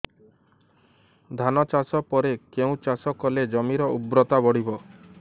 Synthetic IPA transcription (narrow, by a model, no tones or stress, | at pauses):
d̪ʱanɔt͡ʃasɔpɔɾekeũt͡ʃasɔkɔled͡ʒɔmiɾɔubɾɔt̪abɔɽibɔ